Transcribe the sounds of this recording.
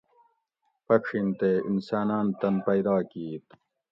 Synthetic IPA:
pɐkʂint̪eḭnsaːnaːnt̪ɐnpɐjd̪ɑːkiːt̪

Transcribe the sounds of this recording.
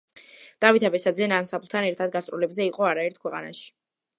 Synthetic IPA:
d̪̥avit̪ʰabɛsad̪zɛnansapʰlˠt̪ʰanɛɾt̪ʰad̪̚ɡast̪ʼɾulɛbzɛiqʼɔaɾaɛɾt̪ʰkʰwɛqʼa̰na̰ʃi̥

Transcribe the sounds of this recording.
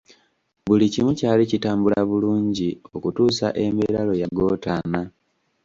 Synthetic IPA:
βulicimucaːlicitaːmbulaβuluːɲɟio̞kutuːsa̰ʔe̞meɾalo̞jaɡo̞ːtana

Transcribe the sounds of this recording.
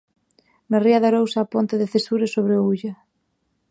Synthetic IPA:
nariaðaɾowsaːpont̪ɪðɪθesuɾɪsoβɾeouʎa

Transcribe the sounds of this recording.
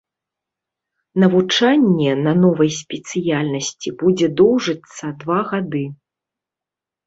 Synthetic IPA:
nɐvut͡ʂanʲːɛnɐnɔvɐjsʲpʲɛt̪sɨjalʲnɐsʲt͡sʲibud͡zʲɛd̪ɔwʐɨt̪sːɐd̪vaɣad̪ɨ

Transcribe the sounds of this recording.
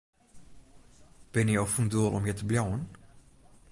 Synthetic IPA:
b̥ɪnjəɔfunduəlˠʔɔ̰mjɛtəbljɔwən

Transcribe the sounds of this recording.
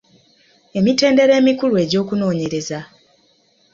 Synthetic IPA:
e̞mite̞ːnde̞ɾe̞ːmikulue̞ɟo̞ːkuno̞ːɲe̞ɾe̞za

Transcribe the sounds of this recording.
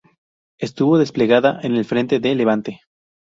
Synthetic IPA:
e̞st̪uβo̞ðe̞sple̞ɣaðaʔene̞lfɾe̞nt̪e̞ðele̞βant̪e̞

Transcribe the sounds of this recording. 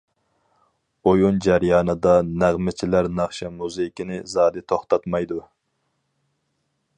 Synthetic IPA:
ojund͡ʒæɾjɑːnɨd̪ɑnæʁmɪt͡ʃʰilæɾnɑχʃɛmuzekʲinɪzɑːd̪ɨt̪ʰoχt̪ʰɑt̪mɑjd̪u

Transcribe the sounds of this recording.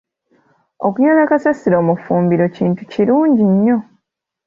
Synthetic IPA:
okuɲolakasasiɾo̞ːmufuːmbiɾo̞ciːntuciɾuːɲɟiɲːo̞

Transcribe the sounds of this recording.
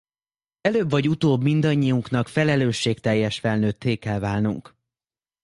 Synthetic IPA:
ɛløːbvɒɟut̪oːbmind̪ɒɲːijuŋkn̪ɒkfɛlɛløːʃːeːkt̪ɛjːɛʃfɛlnøːt̪ːeːkɛlvaːlnṵŋk

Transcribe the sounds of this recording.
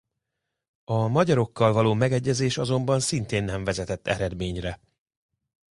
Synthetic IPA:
ɒmɒɟɒɾo̞kːɒlvɒloːmɛɡɛɟːɛzeːʃɒzo̞mbɒnsint̪eːnːɛɱvɛzɛt̪ɛt̪ːɛ̰ɾɛd̪meːɲrɛ

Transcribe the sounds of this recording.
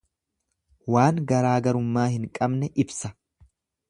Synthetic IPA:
waːŋɡɐɾaːɡɐɾʊmːaːhɪŋkʼɐbnɛʔɪbsɐ

